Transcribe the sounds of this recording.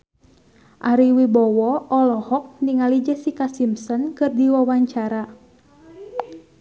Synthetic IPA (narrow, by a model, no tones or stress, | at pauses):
ʔaɾiwibɔwɔʔɔlɔhɔk̚niŋalid͡ʒəsikasimsɔnkɨrdiwawaɲt͡ʃaɾa